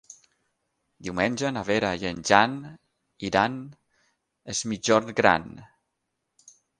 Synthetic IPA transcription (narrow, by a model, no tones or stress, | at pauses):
d̪iwmenʲʒənaβeɾajenʲʒan | iɾan | ezmid͡ʒɔɾɡɾa̰n